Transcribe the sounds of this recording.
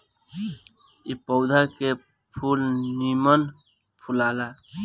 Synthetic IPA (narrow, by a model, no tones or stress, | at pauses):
ipəʊd̪ʱake | pʰulnimən | pʰulaːla